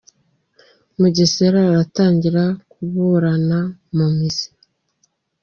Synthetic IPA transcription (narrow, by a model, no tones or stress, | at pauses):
muɟiseɾaːɾataːɲɟiɾakuβuːɾanamumizi